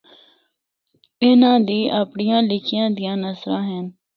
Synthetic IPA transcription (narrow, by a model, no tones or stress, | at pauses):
ɪnãːd̪iːʔaːpɳɪjãːlɪkʰɪjãːd̪ɪjãːnəsɾãːɦən